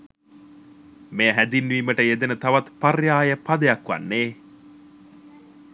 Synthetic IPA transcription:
meɦæd̪inːuʋiːməʈəed̪enət̪aʋat̪parjaːjəpad̪ejɐkʋa̰nːeː

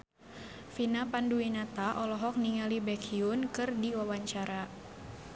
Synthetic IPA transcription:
finapanduinat̪aʔɔlɔɦɔk̚niŋalibɛkʰiʊnkɨrdiwawaɲt͡ʃaɾa

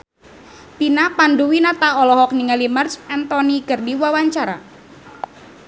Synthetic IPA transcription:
pinapanduwinat̪aɔlɔɦɔkniŋalimərsɛnt̪ɔniɡərdiwawaɲt͡ʃaɾa̰

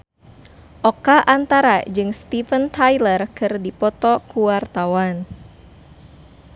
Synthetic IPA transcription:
ʔɔkaʔant̪aɾad͡ʒɨŋst̪ifənt̪ajlərkɨrdipɔt̪ɔkuwart̪awan

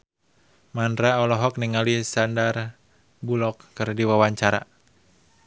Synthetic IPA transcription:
mandɾaɔlɔɦɔk̚niŋalisandar | bulɔkːɨrdiwawaɲt͡ʃaɾa̰

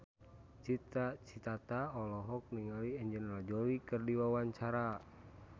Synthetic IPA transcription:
t͡ʃit̪at͡ʃit̪at̪aɔlɔɦɔk̚niŋaliɛɲd͡ʒɛnɾad͡ʒɔɾikɨrdiwawaɲt͡ʃaɾa

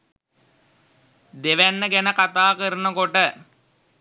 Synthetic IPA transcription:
d̪eʋænːəɡænəkat̪aːkəɾənəkoʈə

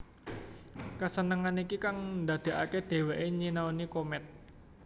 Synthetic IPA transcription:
kasənəŋanikikaŋndad̪̥e̤ʔaked̪̥e̤weʔeɲinaonikomɛt̪̚

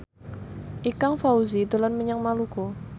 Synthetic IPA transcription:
ʔikaŋfauzidalanməɲaŋmaluko

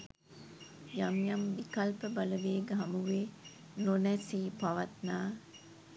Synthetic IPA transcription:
jamjamʋikɐlpəbaləʋeːɡəɦɐmuʋeː | nonæsiːpaʋat̪naː

